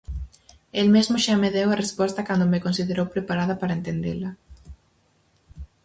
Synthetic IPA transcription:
elmezmʊʃameðewɐrespɔst̪ɐkand̪omekonsiðeɾowpɾepaɾaðɐpaɾɐent̪end̪ḛlɐ

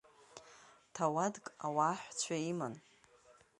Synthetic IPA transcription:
tʰawadkʼawaːħʷt͡ɕʷʰaiman

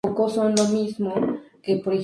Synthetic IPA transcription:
okosõnlomismokepoɾe

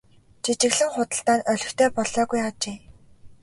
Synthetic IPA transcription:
t͡ɕʰit͡ɕɪ̆ɣɮɘ̆ŋχʊt̪ə̆ɬt̪aːnœɮʲɵ̆xt̪ʰeːpɔɮɔːɣujat͡ɕeː

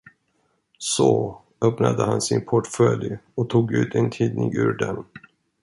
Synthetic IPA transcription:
so | œpnad̪əhansɪnpʰɔʈfœljɔt̪ʰuːɡʉ̟ːt̪ʰɛnt̪ʰiːd̪nɪŋʉ̟ːɾɖɛn

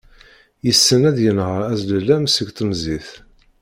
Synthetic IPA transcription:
jəsːənæðjənhəɾæzləlæmsəɡt̪ˤəmziθ

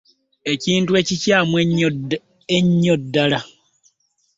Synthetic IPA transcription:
e̞ciːntue̞ːcicaːmweɲ | eɲːodːala

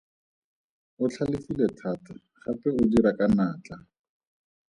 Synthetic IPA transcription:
ʊt͡ɬʰalɪfilɛtʰata | χapɛʊdiɾakanaːt͡ɬa

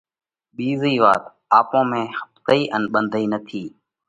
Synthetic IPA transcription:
ɓiːziːʋa̰ːt̪ | aːpõːmẽːhə̥p̚t̪iːʔənɓənd̪ʱiːnət̪ʰiː

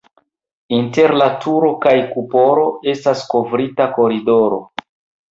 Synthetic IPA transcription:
inte̞ɾlatʰuɾo̞kajkupo̞ɾo̞e̞stasko̞vɾitako̞ɾido̞ɾo̞̰

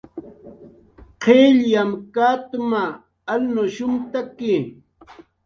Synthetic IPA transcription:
qʰeʎjamkat̪ʊmaː | lnoʃʊmt̪akɪ

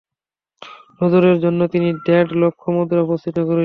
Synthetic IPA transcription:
ɾod̪oɾeɾd͡ʑonːot̪iniɖɛɖlokʰːomod̪ʱɾeɔpost̪ʰit̪okoɾe

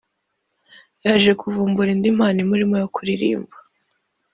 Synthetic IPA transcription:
jaʒe̞kʰuvuːmbuɾindim̥haːnimuɾimojokuɾiɾḭːmbḁ

